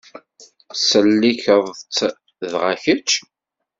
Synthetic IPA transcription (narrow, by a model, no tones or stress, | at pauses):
səlːiçəðˤt͡sː | ðʁaçət͡ʃː